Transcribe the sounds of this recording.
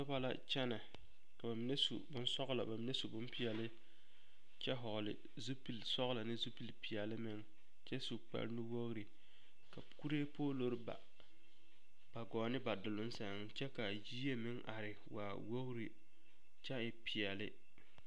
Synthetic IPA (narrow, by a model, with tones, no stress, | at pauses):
tɔ˦ba˦la̰˨t͡ʃɛ˦na˨ | ka˨ba˨mɪ˦ne˦sṵ˨bʊ˦n˦sɔ˦ɣla̰˨ba˨mɪ˦ne˦su˨bʊ˦mpi˦ɛ˨lɪ˦ | t͡ʃɛ˦ɦɔ˨ɣlɪ̰˨ | zu˦pi˨lsɔ˦ɣla˨nɪ˦zu˦pi˨lpi˨jɛ˨lɪ˦mɪ˦ŋ | t͡ʃɛ˦su˨k͡pa̰˦ɾnu˦wo˦ɣɾi˨ | ka˨ku˦ɾeː˦poː˦lo˦ɾba̰˨ | ba˨ɡɔː˨nɪ˦ba˨dʊ˨lʊ˦n˦sa˨ŋ˦t͡ʃɛ˦ka˨jiː˦je˦mɪ˦ŋʔa˨ɾɪ˨wa̰ː˨wo˦ɣɾi˨ | t͡ʃɛ˦ɪ˨pɪ˨jɛ˨lɪ˦